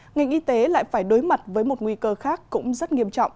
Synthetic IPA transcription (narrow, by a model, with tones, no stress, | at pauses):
ŋa˨˩jŋ̟ʔi˧t̪e˨˦la̰ː˧˨jfaː˧˩jɗo˨˦jma˨˩t̚vəː˨˦jmo˨˩t̚ŋwi˧kəː˧xaː˦˥kːʊ̰˧˥ŋ͡mzə˦˥t̚ŋi˧əmt͡ɕɔ̰˧˨wŋ͡m